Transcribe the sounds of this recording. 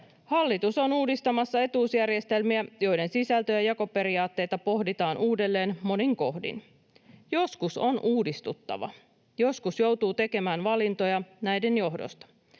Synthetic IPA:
hɑlːit̪uso̞nuːdist̪ɑmɑsːɑe̞t̪uːsjærje̞st̪e̞lmiæjo̞jde̞nsisælt̪ø̞jɑjɑko̞pe̞ɾiɑːt̪ːe̞jt̪ɑpo̞hdit̪ɑːnʔuːde̞lːe̞ːnmo̞niŋko̞hdḭn | jo̞skuso̞nʔuːdist̪ut̪ːɑ̰ʋɑ̰ | jo̞skusjo̞wt̪uːt̪e̞ke̞mæːnʋɑlint̪o̞jɑnæjde̞njo̞ɦdo̰st̪ɑ̥

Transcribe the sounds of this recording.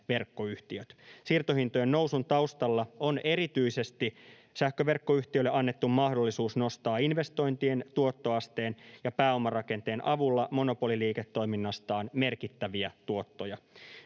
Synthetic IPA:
ʋe̞rkːo̞yht̪iøt̪sirt̪ohint̪ojenno̞wsunt̪ɑust̪ɑlːɑo̞ne̞ɾit̪yise̞st̪i | sæhkøʋe̞rkːo̞yçt̪iølːeʔɑnːet̪ːummɑhdo̞lːisuːsno̞st̪ɑːinʋe̞st̪o̞jnt̪ie̞nt̪uot̪ːo̞ɑst̪e̞ːnjɑpæːo̞mːɑrɑke̞nt̪e̞ːnʔɑʋulːɑmo̞no̞po̞liliːket̪ːo̞jminːɑst̪ɑːnme̞rkit̪ːæʋiæt̪uo̞t̪ːo̞jɑ

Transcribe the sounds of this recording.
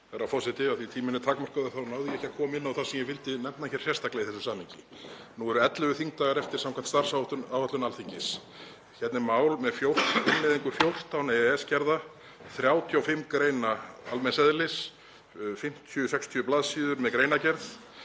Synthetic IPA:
ɛɾawfɔsɛt̪ɪaθit̪ʰiːmɪnɪt̪ʰaːkmar̥kʏðaθawnaːwðɪjɛhcakʰɔːmɪnːawθasɛmjɛvɪlt̪ɪnɛmtnaɛçɛɾ̥sjɛst̪aklɛɣiθɛsʏsamiɲcɪ | nuɛɾʏɛt̪lʏvʏθiŋk̚t̪aːɣaɾɛft̪ɪɾ̥amkʰam̥t̪st̪ar̥sawt̪awvat̪lʏnalθiɲcɪs | çɛt̪nɪmaːwlmɛðfjowr̥t̪ɪnːɪðiŋkʏfjowr̥t̪awnɛɛscɛɾða | θɾjaːwt̪ʰjawfɪmkɾeːjnaalmɛnsɛðlɪs | fɪm̥t̪ʰjʏsɛkst̪ʰjʏʏplaːðsiːðʏɾmɛðkɾejnacɛɾθ

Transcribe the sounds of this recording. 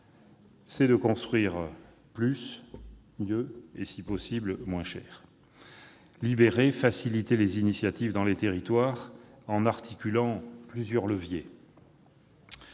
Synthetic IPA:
sɛd̪əkɔ̃st̪χɥiʁ | plys | mjøesipɔsiblmwɛ̃ʃɛ̰ːʁ | libeʁefasilit̪elezinisjat̪ivd̪ɑ̃let̪eʁit̪waʁɑ̃naʁt̪ʰikʲylɑ̃plyzjœʁləvje

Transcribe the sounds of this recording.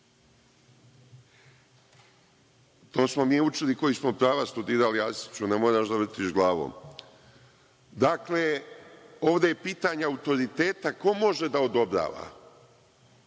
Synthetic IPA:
t̪o̞ːsmo̞miːut͡ʃiliko̞jismopɾaːʋast̪ud̪iːɾaliast̪i̥t͡ɕunamoːɾaʃd̪aʋr̩t̪iʃɡlˠaːʋo̰ːm | d̪akle | o̞ːʋd̪ejepiːt̪aɲeaut̪o̞ɾit̪eːt̪ako̞mo̞ʒe̞d̪ao̞d̪o̞bɾa̰ːʋa̰

